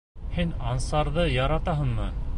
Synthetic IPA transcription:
hinɑnsɑɾðɤjɑɾɑt̪ɑɦɤ̆nmɤ̰

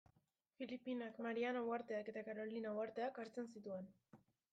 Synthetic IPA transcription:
filipinakmaɾianawaɾt̪e̞ake̞t̪akaɾo̞linawaɾt̪e̞akaɾt͡se̞nsit̪ue̞n

